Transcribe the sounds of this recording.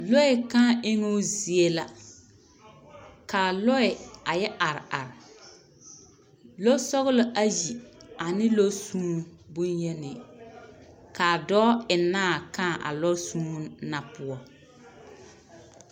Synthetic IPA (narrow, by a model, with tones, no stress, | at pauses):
lɔ˦ɛ˨kã˦ʔɪ˦ŋo˦zi˨e˦la˦ | kaː˨lɔ˦ɛ˨a˨jɛ˦ʔa˨ɾɪ˨ʔa˨ɾɪ˨ | lo˦sɔ˦ɣʊ˦lʊ˦ʔa˦ji˨a˨nɪ˦lo˦suː˦bʊ˦ɲjɛ˦nɪ˨ | ka˨dɔː˦ɪ˨nːaː˦˨kã˦˨ʔa̰˨lɔ˦suː˦na˨pʊ˦ɔ˨